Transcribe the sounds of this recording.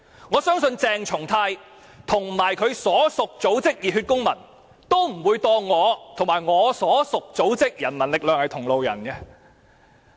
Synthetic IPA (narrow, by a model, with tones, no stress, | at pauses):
ŋɔː˨˧sœː˥ŋsɵ˧nt͡sɛː˧ŋt͡sʰʊ˨˩ŋt̪ʰaː˧j | t̪ʰʊ˨˩ŋ˨maː˨˩jkʰɵ˨˧ɥsɔː˨˥sʊ˨k̚t͡so˨˥wt͡sɪ˥k̚jiː˨t̚hyː˧t̚kʊ˥ŋmɐ˨˩n | t̪o˥wm̩˨˩wuː˨˧jt̪ɔː˧ŋɔː˨˧t̪ʰʊ˨˩ŋmaː˨˩jŋɔː˨˧˥sɔː˨˥sʊ˨k̚t͡so˨˥wt͡sɪ˥k̚jɐ˨˩nmɐ˨˩nlɪ˨k̚lœː˨ŋhɐ˨jt̪ʰʊ˨˩ŋlo˨wjɐ̰˨˩nkɛ˧